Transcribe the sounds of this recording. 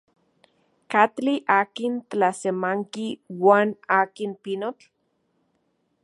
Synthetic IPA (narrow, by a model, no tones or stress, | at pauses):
kat̪liʔaːkint̪lasemaŋkiwaːnaːkinpinot͡ɬ